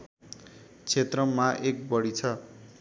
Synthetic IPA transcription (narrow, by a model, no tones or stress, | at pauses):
t͡sʰet̪rʌmaʔek̚bʌɽit͡sʰʌ